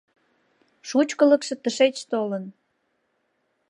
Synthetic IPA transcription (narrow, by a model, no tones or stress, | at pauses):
ʃut͡ɕkələkʃĕt̪əʃet͡ɕt̪olən